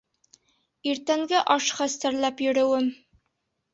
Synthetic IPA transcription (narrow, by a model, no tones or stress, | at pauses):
iɾt̪æŋɡæʔɑʃχæst̪æɾlæpjɵ̆ɾɘ̆wɘm